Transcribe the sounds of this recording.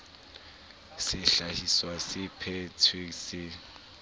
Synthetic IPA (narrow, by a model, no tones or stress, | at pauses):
sɪɬahiswasɪpʰɛtʰiksɪ